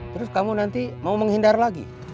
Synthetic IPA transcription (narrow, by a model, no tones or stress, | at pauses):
t̪ɾʊskamunant̪imauməŋɦindarlaɡḭ